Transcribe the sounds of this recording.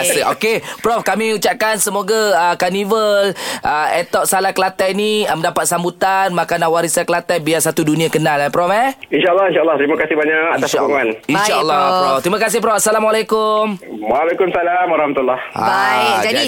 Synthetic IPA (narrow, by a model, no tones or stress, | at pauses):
asəokepɾɔfkamiut͡ʃap̚kansəmoɡaəkanivəlʔəet̪ɔʔsalahkəlat̪ajniəməndapat̪̚sambut̪anmakanahwaɾisakəlat̪ɛjbiasat̪udunĩakənalapɾɔfɛinʃaəlːɔhinʃaəlːɔht̪ɾimakasibaɲakat̪asʃaoŋaninʃaəlːɔɔft̪ɾimakas̬ɪhpɾɔfasalamwalakʊmwalekumsalamaɾɑhmat̪ulːɔhha̰bajd͡ʒai